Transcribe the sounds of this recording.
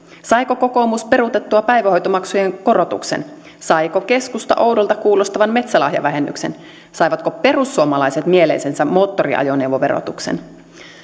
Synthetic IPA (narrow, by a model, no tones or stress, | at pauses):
sɑjko̞ko̞ko̞muspe̞ɾut̪e̞t̪ːuɑpæjʋæo̞jt̪omɑksuje̞ŋko̞ɾo̞t̪ṵksḛn | sɑjko̞ke̞skust̪ɑ̰ʔo̞wdo̞lt̪ɑkuːlo̞st̪ɑʋɑnme̞t̪sælɑhjɑ̰ʋæɦe̞nːy̰ksḛn | sɑjʋɑt̪ko̞pe̞rusːuomɑlɑjset̪mie̞le̞̰jsensæmːo̞ːt̪ːorḭɑ̰jo̞ne̞uwʋoʋe̞̰ɾo̰t̪uksḛn